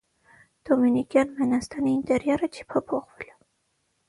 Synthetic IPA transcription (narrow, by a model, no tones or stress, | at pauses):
d̪̥ɔminikjɑnvɛnɑst̪ɑniːnt̪ʼɛɾjɑɾət͡ʃʰi̥pʰɔpʰɔχvɛl